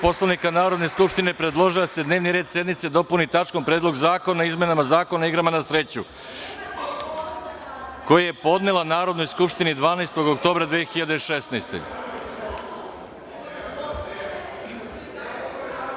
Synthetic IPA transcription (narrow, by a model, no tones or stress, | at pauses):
po̞slˠaʋnikanaːɾo̞d̪ne̞skupʃt̪ine̞pɾe̞d̪lˠo̞ʒilse̞d̪ne̞ːʋniɾed̪sje̞d̪nit̪sed̪o̞punit̪at͡ʃkompɾed̪lˠo̞ɡzaːko̞naizme̞namazaːko̞naiɡɾamanasɾe̞t͡ɕu | ko̞jaje̞po̞d̪nelˠanaːɾo̞d̪no̞jskupʃt̪inid̪ʋaːnest̪o̞ɡokt̪o̞ːbɾad̪ʋeːxiʎad̪eiʃesnejst̪ḛ